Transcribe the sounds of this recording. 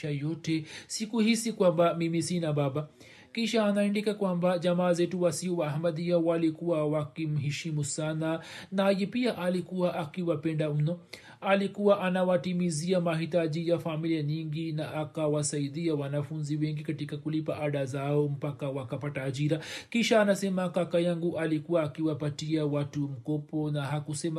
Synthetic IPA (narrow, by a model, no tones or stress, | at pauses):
ajɔtɛsikuhisikwambamimisinaɓaɓa | kiʃaːnaindikakwambaʄamaːzɛtuwasiɔwaɦamaðiawalikuwawakim̩ɦiʃimusananajɛpiaʔalikuwaʔakiwapɛndam̩nɔ | alikuwaʔanawatimiziamaɦitaʄijafamiliaɲiŋɡinaʔakawasaiɗiawanafunziwɛŋɡikatikakulipaʔaɗazaɔm̩pakawakapataːʄiɾakiʃaːnasɛmakakajaŋɡuʔalikuwaːkiwapatiawatum̩kɔpɔnaɦakusɛma